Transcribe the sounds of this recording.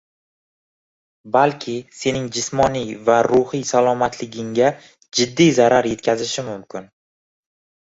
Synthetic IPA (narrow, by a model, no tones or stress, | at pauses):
balkʲʰɪse̞nɪŋd͡ʒɪsmɒnijvaɾʊhijsalˠɒmat̪ʰlɪɡʲɪŋɡʲa | d͡ʒɪd̪ːijzaɾaɾje̞t̪̚kʲʰazɪʃɪmʊmkʲʰɪn